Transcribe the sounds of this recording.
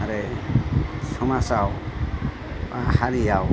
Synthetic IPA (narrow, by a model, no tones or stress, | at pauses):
aɾe | sɔmasaw | pahaɾijaw